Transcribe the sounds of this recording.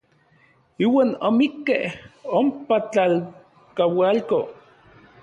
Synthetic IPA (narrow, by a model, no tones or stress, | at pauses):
iːwaːnomikːehompat͡ɬal | kawalko